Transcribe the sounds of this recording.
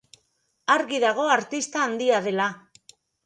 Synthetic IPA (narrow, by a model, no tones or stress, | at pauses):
aɾɣiðaɣ̞o̞aɾt̪ist̪aːnd̪iaðe̞la